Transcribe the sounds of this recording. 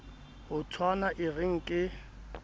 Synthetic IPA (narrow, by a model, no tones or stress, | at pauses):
hʊtʰwanaʔɪrɪŋ̩kʼɪ